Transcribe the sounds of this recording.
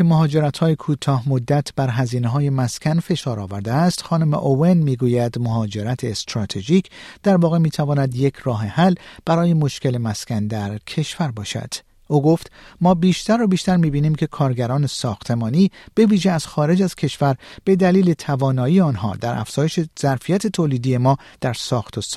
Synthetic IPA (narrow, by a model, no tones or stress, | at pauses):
emoɦɒːd͡ʒe̞ɾæt̪hɒːjekʰuːt̪ʰɒːhmod̪ːæt̪ʰb̥æɾɦæziːneɦɒːje̞mæskʰʲænfe̞ʃɒːɾɒːvæɾd̪eæst̪xɒːnome̞̰ʔovenmiːɡuːjæd̪moɦɒːd͡ʒe̞ɾæt̪ʰest̪ɾɒːt̪ʰe̞ʒiːcʰd̪̥æɾvɒːɣe̞miːt̪ʰævɒːnæd̪jecʰrɒːɦe̞hælb̥æɾɒːje̞mo̞ʃke̞le̞mæskʲʰænd̪æɾcʰe̞ʃvæɾbɒːʃæ̰d̪̥ | ʔoːɡo̞ft̪mɒːbiːʃt̪ʰæɾːobiːʃt̪æɾmiːbiːniːmcʰe̞kʰɒːɾɡæɾɒːne̞sɒːxt̪ʰe̞mɒːniːb̥e̞viːʒeæz̥xɒːɾe̞d͡ʒæz̥kʰe̞ʃvæɾb̥e̞d̪æliːle̞t̪ʰævɒːnɒːiːeɒːnɦɒ̰ːd̪æɾʔæ̰fz̥ɒːjeʃez̥æɾfijæt̪ʰe̞t̪ʰoːliːd̪ije̞mɒːd̪̥æɾsɒːxt̪ʰos